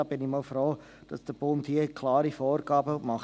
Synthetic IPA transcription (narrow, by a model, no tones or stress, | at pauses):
ɑb̥ɪnɪmɔlfɾoː | d̥ɑsd̥əb̥omthiəkʰlɑːɾifɔːɾɡɑːbəmɑχ